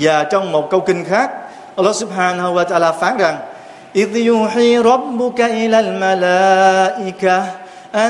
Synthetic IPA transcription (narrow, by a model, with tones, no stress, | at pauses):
zaː˨˩t͡ɕɔ˧wŋ͡mmo˨˩t̚kə˧wkï˧ŋ̟xaː˦˥k̚ | ʔə˧lːɑ˦˥sʊ˦˥p̚ħaː˧nahu˧wa˧t̪aː˧laː˧faː˨˦nza˨˩ŋ | ʔi˦ðjʊ˦ħi˧ɾˤɑ˦˥bːʊ˧ka˧ʔɪ˦laː˧lma˨laː˧ʔɪka˧ | ʔa˧